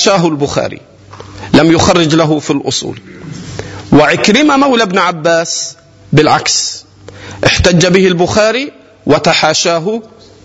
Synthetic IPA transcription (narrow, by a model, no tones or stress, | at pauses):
ʃaːɦʊlbʊxa̰ːɾḭ | lamjʊxɑrˤːɪd͡ʒlaɦʊfilʔʊ̰sˤṵːl | wɪʕɪkɾɪmamawlabnʕabːaːs | bɪlʕaks | ʔɪħt̪ad͡ʒːabɪhɪlbʊxaːɾi | wɪt̪aħaːʃaːɦʊ